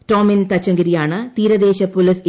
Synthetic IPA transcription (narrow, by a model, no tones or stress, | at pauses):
toːmint̪ɐt͡ɕːɐŋɡɐɾijaːɳɨt̪iːɾɐd̪eːɕɐpolis